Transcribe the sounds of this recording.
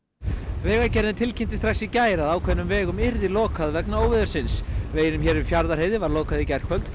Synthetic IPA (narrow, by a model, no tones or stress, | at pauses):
vɛːɣaɾcɛɾðɪt̪ʰɪlcʰɪnt̪ɪ̥st̪ɾaxksicaːjɾaðaːwkʰvɛnːʏmvɛːɣʏmɪɾðɪlɔːkʰaðvɛknaoːwvɪðʏɾsɪnsveːjɾʏmçɛːɾɪfjaɾðaɾheːjðɪvaɾloːkaðɪcɛr̥kʰvœlt̪